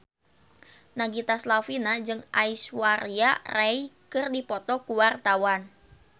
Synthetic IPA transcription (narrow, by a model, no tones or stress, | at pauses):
naɡit̪aslafinad͡ʒɨŋaiswaɾiaraikɨrdipɔt̪ɔkuwart̪awan